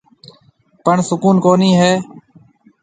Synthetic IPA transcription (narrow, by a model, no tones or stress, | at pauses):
pəɳsʊkuːnkoːniːɦeː